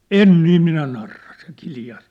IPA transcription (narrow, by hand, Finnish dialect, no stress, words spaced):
en niː minæ nɑrːɑ se kiljɑs